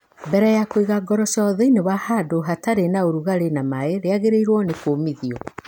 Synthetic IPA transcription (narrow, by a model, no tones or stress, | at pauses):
bɛɾɛjakwiɣaɡɔɾɔʃɔðɔinewahadoɦataɾenaoɾuɣaɾenamaeɾeaɣeɾeiɾwɔnekoːmiðiɔ